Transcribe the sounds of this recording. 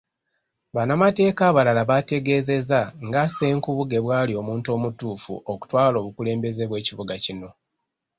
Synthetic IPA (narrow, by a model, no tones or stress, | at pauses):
βanamate̞ːkaːβalalaβate̞ɡe̞ːze̞zaŋɡase̞ːŋkuβuɡe̞βwaːlio̞ːmuːnto̞ːmutuːfṵʔoku̥twaːlo̞ːβukule̞ːmbe̞ze̞βwe̞ːciβuɡacino̞